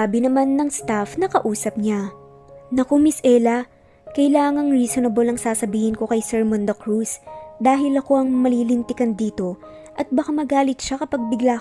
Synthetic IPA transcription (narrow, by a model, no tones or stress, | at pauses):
abɪnɐmanːɐŋst̪afnɐkɐʔuːsɐp̚ɲa | nɐkomɪsʔɛlɐ | kɐjlaːŋɐŋɾisonɐbolɐŋsaːsɐbiːhɪnko̞kɐjsɛɹmond̪ɐkɾusd̪aːɦɪlɐko̞ʔɐŋmɐliːlɪnt̪ɪkɐnd̪iːt̪o̞ | ʔɐt̪̚bɐkamɐɡaːlɪt̪̚ʃakɐpɐɡ̚bɪɡla